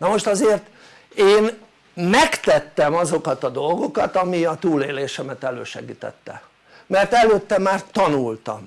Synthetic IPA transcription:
nɒmo̞ʃt̪ɒzeːrt̪ | eːn | mɛkt̪ɛt̪ːɛmɒzo̞kɒt̪ɒd̪o̞lɡo̞kɒt̪ɒmiɒt̪uːleːleːʃɛmɛt̪ɛløːʃɛ̰ɡiːt̪ɛ̰t̪ːɛ̰ | mɛrt̪ɛløːt̪ːɛmaːrt̪ɒnult̪ɒ̰m

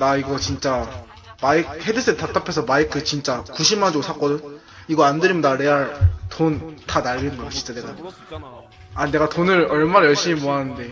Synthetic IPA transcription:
daiɡʌt͡ɕint͡ɕ͈a | maik̚he̞dɯs͈ʰɯtat͈apʰesʰʌmaikʰɯt͡ɕint͡ɕ͈akuɕʰimːand͡ʑoɡosʰak͈ʌdɯn | iɡʌandɯɾimjʌndaɾe̞atontanaɭːinɯnɡʌot͡ɕʰi̥t͡ɕ͈aneɡa | ane̞ɡatonɯɾʌɭmanajʌɭɕ͈imimoɦanɯnde̞

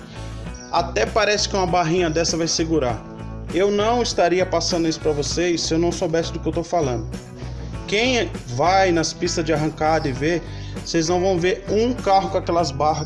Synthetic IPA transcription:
at̪ɛpaɾɛsɪ̥kɪũmɐbaɦĩɲɐd̪ɛsɐvajseɡuɾaɾ | ewnɐ̃w̃ist̪aɾiɐpasɐ̃nd̪ʊisʊ̥pɾɐvosejsːɪewnɐ̃w̃sobɛsɪd̪ʊkɪewt̪owfalɐ̃nd̪ʊ | kẽj̃vajnɐspist̪ɐzd͡ʒɪaɦɐ̃kad̪ɐɪveɾ | sejznɐ̃w̃vɐ̃w̃veɾũkaɦʊkõakɛlɐzbaɦɐ

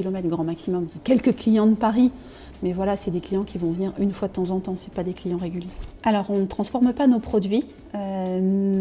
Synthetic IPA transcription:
ilɔmɛt̪ɡʁɑ̃maksimɔmfɛ̃kʲɛlkəklijɑ̃d̪əpaʁi | mɛvwalasɛd̪eklijɑ̃kʲivɔ̃vəniʁynfwad̪ət̪ɑ̃zɑ̃t̪ɑ̃sɛ̥pad̪eklijɑ̃ʁeɡʲyljealɔʁɔ̃nət̪χɑ̃sfɔʁməpanopχɔd̪ɥi | ø

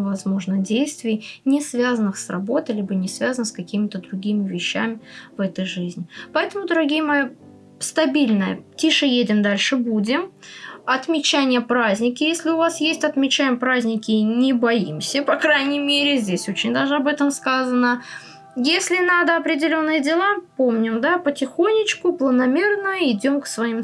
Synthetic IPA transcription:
vɐzmo̞ʐnɨdʲejst̪vʲɪjnʲɪsvʲazənːɨxsrɐbo̞t̪ɨjlʲibɨnʲɪsvʲazənɨskɐkʲimʲɪt̪əd̪ɾʊɡʲimʲɪvʲɪɕːæmʲɪvɛt̪əjʐɨzʲnʲɪpɐɛt̪əmʊd̪əɾɐɡʲijəmɨ | st̪ɐbʲilʲnəjə̰tʲiʂəjedʲɪmd̪alʲʂɨbudʲɪmɐt̪mʲɪt͡ɕænʲɪjəpɾazʲnʲɪkʲɪjesʲlʲɪʊvasjesʲtʲɐt̪mʲɪt͡ɕæjɪmpɾazʲnʲɪkʲɪnʲɪbɐimsʲəpɐkɾajnʲɪjmʲeɾʲɪzʲdʲesʲot͡ɕɪnʲd̪aʐɨɐbɛt̪əmskazənə | jesʲlʲɪnad̪əɐpɾʲɪdʲɪlʲonːɨjədʲɪlˠapomnʲɪmd̪apətʲɪxo̞nʲːɪt͡ɕkʊplˠənɐmʲe̞rnʊjʊɪdʲo̞mksvɐim

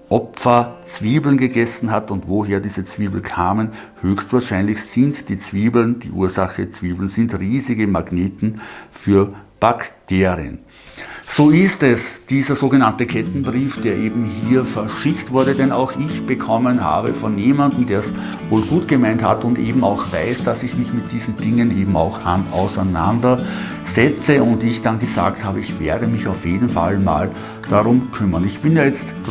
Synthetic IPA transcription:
ʔɔpfɐt͡sv̥iːbl̩nɡəɡɛsn̩ɦatʊntvoɦeːɐdiːzət͡sv̥iːbl̩kʰaːmən | høːçstv̥aːɐʃaɪnlɪçsɪntd̥iːt͡sv̥iːbl̩nd̥ḭːʔṵːɐzaxət͡sv̥iːbl̩nzɪntʁiːzɪɡəmaɡneːtn̩fyːɐb̥aktʰeːʁiə̰n | z̥oːɪstɛsd̥iːzɐzoːɡənantəkʰɛtn̩bʁiːfd̥eːɐʔeːbm̩ɦiːɐfɛɐʃɪktv̥ʊɐɾədɛnaʊxɪçb̥əkʰɔmənha̰ːbəfɔnjeːmandn̩deːɐs | voːlɡuːtɡ̥əmaɪnthatʊndʔḛːbm̩aʊxvaɪsd̥asɪçmɪçmɪt̚d̥iːzn̩dɪŋənʔeːbm̩a̰ʊxanʔa̰ʊsæna̰ndɐ | z̥ɛt͡səʊndɪçd̥anɡəza̰ːkthaːbəɪçv̥eːɐdəmɪçaʊfjeːdn̩fa̰lma̰ːl | d̥aʁʊmkʰʏmɐnɪçb̥ɪnjaːjɛt͡st

